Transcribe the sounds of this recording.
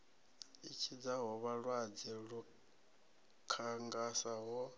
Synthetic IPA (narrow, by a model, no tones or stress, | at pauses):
it͡ʃʰid͡zaɦɔβaɺwad͡zɛɺu | kʰaŋɡasaɦɔ